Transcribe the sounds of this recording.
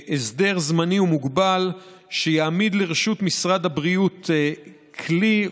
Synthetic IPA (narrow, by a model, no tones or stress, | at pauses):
ʔesd̪e̞ʁzmaniumuɡbal | ʃejaːmid̪leʁeʃut̪misʁad̪habʁiut | kʰli